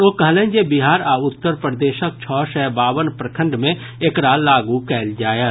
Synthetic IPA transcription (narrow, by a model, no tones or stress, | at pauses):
oːkɐɦlẽːd͡ʒebiɦaːɾaːʊt̪ːəɾpɾəd̪eːʃək̚t͡ʃʰɔːʃɛːbaːʋənpɾəkʰə̃ɳɖmẽ | ekɾaːlaːɡukɛːld͡ʒaːjə